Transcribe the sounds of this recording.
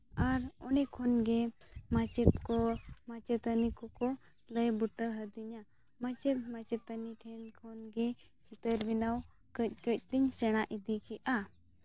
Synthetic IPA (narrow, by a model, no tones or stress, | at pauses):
aɾɔnɛkʰɔnɡɛmat͡ʃɛt̪̚kɔmat͡ʃɛt̪ənikɔkɔ | ləjbuʈəɦəd̪iɲa | mat͡ʃɛt̪̚mat͡ʃɛt̪əniʈʰɛnkʰɔnɡɛ | t͡ʃit̪əɾbinaw | kəc̚ˀkəc̚ˀt̪iɲsɛɽ̃aʔid̪ikɛʔa